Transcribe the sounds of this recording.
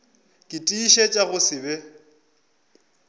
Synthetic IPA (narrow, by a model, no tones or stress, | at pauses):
kʼɪtʼiːʃet͡ʃʼaɣʊsɪbɛ